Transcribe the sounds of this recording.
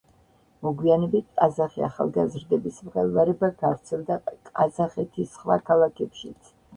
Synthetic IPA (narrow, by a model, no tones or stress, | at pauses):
mɔɡwianɛbit̪̚ʰkʼazaχiaχa̰lˠɡazɾd̪ɛbismʁɛlˠvaɾɛbaɡavt̪sʰɛlˠd̪akʼazaχɛt̪ʰisχwa̰kʰalˠakʰɛpʃit̪sʰ